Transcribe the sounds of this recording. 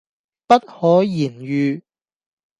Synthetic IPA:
pɐ˥t̚hɔː˨˥jiː˨˩nɥyː˨˧

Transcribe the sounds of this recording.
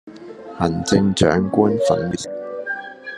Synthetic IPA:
hɐ˨˩nt͡sɪ˧ŋt͡ʃœ̰ː˨˥ŋkʷʊ˥nfɐ̰˨˥n˨˩

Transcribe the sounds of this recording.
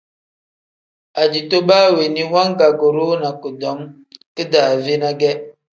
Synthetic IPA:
a˨d͡ʒi˨to˦ba˦˨we˨ni˦hwa˦ŋ˦ɡa˨ɡo˨ɾo˦na˨kə˨dɔ˨˦ŋ | kə˦da˨ve˦na˦ɡɛ˦

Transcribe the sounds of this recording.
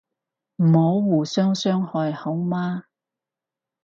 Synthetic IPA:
m̩˨˩ho˨˧˥wwuː˨˩sœː˥ŋsœː˥ŋhɔː˧jho˨˥wmaː˥

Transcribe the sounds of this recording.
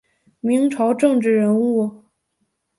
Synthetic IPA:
mi˧˥ŋʈ͡ʂʰɑ˧˥ʊʈ͡ʂɤ˥˧ŋʈ͡ʂɻ̩˥˩ɻə˧˥nu˥˩

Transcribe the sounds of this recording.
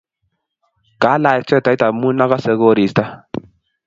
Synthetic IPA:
ka˨˦la˨jɛ˨t͡ʃɛ˦˨ta˨i˦ta˨mu˦na˦ɣa˦sɛ˨˦ɣo˦ɾi˨st̪a˦

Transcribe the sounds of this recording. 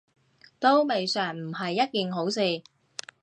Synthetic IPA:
t̪o˥wme˨jsœː˨˩ŋm̩˨˩hɐ˨jːɐ˥t̚kiː˨nɦo˨˥wsiː˨˧

